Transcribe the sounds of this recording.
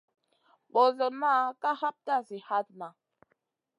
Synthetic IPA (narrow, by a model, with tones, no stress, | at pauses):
ɓo˨zo˨na˦ka˦ha˦p̚ta˦˨si˨ha˦t̚na˨